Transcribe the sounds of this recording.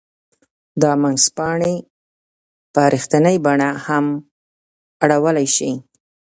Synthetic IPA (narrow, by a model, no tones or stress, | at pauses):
d̪ɑmanzpɑɳe | pɑɾixt̪anəjbaɳaham | aɽawəlajʃi